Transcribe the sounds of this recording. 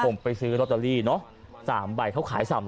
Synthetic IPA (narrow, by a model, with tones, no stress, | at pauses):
ko˨˩mpa˧jsɯː˦˥ɾɔ˧˥t̪̚ːa˧liː˥˩nɔ˦˥ʔ | saː˩˦mba˨˩jkʰa˥˩wkʰaː˩˦jsaː˩˦m